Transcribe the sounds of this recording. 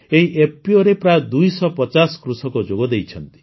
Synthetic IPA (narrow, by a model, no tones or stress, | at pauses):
eɦiʔepiɔɾepɾajɔd̪ujsɔpɔt͡ʃasɔ̥kɾusɔkɔd͡ʒoɡɔd̪ejt͡ʃʰɔnt̪i̥